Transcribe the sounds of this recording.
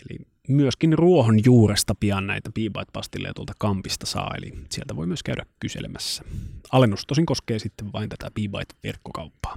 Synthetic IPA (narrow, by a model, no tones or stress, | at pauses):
elḭ | myøskinruohonjuːrest̪ɑpiɑnnæit̪æpiːbɑ̰it̪pɑst̪ilːḛjɑt̪uolt̪ɑ̥kɑmpist̪ɑsɑ̰ːḛlḭsielt̪æʋoimyøskæydʔækkysḛlemʔæsːæ̥ɑlenːust̪osiŋkoskeːsit̪ːeʋʋɑint̪æt̪æpiːbɑ̰it̪ʋḛrkːokɑupːɑ̥ː